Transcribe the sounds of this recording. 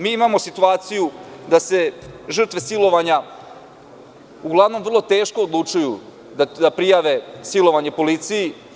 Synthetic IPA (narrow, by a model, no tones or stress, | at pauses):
miːimaːmo̞sit̪uaːt̪sijud̪ase̞ʒr̩t̪ʋe̞silo̞ʋaɲa | uɡlˠaʋno̞mʋr̩lˠo̞t̪e̞ːʃkoːd̪lˠut͡ʃuju | d̪d̪apɾijaʋe̞silˠo̞ʋaɲepo̞lit̪siji